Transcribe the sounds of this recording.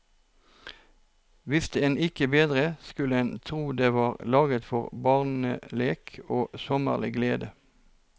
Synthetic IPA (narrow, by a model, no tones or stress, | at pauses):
ʋɪst̪əeːnɪkəbeːd̪ʁəskʉləeːnt̪ʰʁuːd̪eːʋɑːʁlɑːɡət̪fɔʁbɑʁn̩əleːkʰoːsɔmə̰ʁlɪ̰ɡleːd̪ə